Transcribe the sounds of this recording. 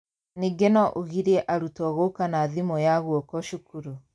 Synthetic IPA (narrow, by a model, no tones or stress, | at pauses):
niɡenɔʔoɣiɾɛʔaɾutɔɣokanaðimɔjaɣwɔkɔʃukuɾu